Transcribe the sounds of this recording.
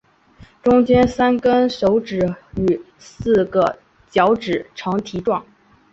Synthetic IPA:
ʈ͡ʂʊ˥ŋt͡ɕjɛ˥nsa˥nkə˥nʂo˧˥ʊʈ͡ʂɻ̩˨˩y˨˩ | sɹ̩˥˩ɡə˩ | t͡ɕjɑ˧˥ʊʈ͡ʂɻ̩˨˩ʈ͡ʂʰɤ˧˥ŋt̪ʰi˧˥ʈ͡ʂwɑ˥˩ŋ

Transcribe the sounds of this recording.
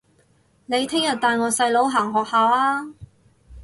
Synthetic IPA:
ne˨˧jt̪ʰɪ˥ŋjɐ˨t̚t̪aː˨˧nŋɔː˨˧sɐ˧jlo˨˥wɦaː˨˩ŋɦɔː˨k̚haː˨˧wlaː˥

